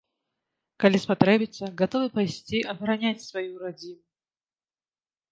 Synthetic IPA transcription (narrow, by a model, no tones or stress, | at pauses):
kɐlʲispɐt̪ɾɛbʲɪt̪səɡɐt̪ovɨpɐjsʲt͡sʲiʔɐbɾɐnʲatʲsvɐjuɾɐdʲimʊ